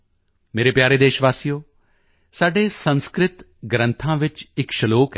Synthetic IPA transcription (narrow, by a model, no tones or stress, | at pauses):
meːɾeːpjaːɾeːd̪eːʃʋaːsijoː | saːɖeːsə̃nskɾɪt̪ | ɡɾə̃nt̪ʰãːʋɪt͡ʃɪkʃəloːkː